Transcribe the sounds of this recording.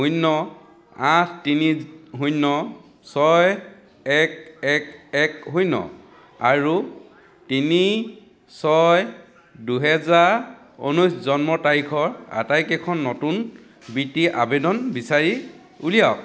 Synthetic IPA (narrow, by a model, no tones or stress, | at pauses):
ɦujnːɔ | ãtʰtiniɦujnːɔ | sɔj | ɛkɛkɛkɦujnɔ̰ | aɹu | tini | sɔj | duɦɛzaɹ | o̰nuszɔnmɔtaɹikʰɔɹa̰tajkɛkʰɔnːotun | bitiʔa̰bedɔnbisaɹi | ulijak̚